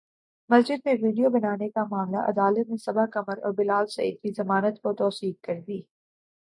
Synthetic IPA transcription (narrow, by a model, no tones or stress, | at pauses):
mɐsd͡ʒɪd̪̚neʋiːɖijobɐnaːnekamaːmlaʔɐ̰d̪aːlət̪̚nesɐbaɦkɐməɾɔ̰ːɾbɪlaːlsɐ̰ḭːd̪̚kizɐmaːnət̪kot̪ɔːsiːk̚kɐɾd̪iː